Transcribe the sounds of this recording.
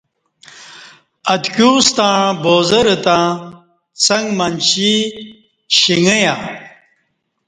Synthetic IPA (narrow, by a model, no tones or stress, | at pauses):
ɐt̪kjust̪ãɳboːzɐɾət̪ã | t͡sɐŋɡmɐnɕi | ɕiŋəja